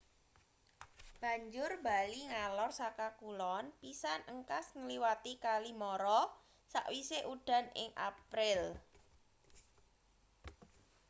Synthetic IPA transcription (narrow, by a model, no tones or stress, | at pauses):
b̥a̤ɲd͡ʒʊrba̤liŋalɔrsakakulɔnpisanʔəŋkasŋəliwat̪ikalimɔɾɔ | saʔwiseʔuɖ̥ä̤nɪ̰ŋʔa̰pɾɪl